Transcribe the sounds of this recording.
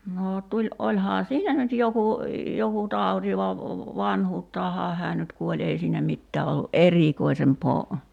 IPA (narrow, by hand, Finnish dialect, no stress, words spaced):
noː tulʲ ʔolʲhɑː silːæ nyt joku joku tɑˑuti ʋɑ ʋɑnhuːtːɑːhɑː hæː nyt kuolʲ ei siːnæ mitːæː olːu ʔeriˑkoisempoː